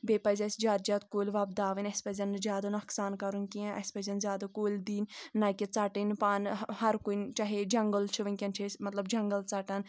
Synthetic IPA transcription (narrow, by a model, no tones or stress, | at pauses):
beːpɐzʲɐsʲd͡ʒaːd̪d͡ʒɐt̪koːlʲʋɐb̚d̪aːʋɨnʲɐsʲpɐzʲɐnɨzʲjaːd̪ɐnuɐksaːnkɐɾunʲkiɐ̃ʔɐ̰sʲpɐzʲɐnzʲaːd̪ɐkoːlʲd̪iːnːɐkʲit͡sɐʈinpaːnhɐɾkunt͡ʃɐɦed͡ʒɐŋɡɐlt͡ʃʰiʋɐnʲkʲɐnt͡ʃʰesʲmɐt̪lɐbd͡ʒɐŋɡɐlt͡sɐʈɐn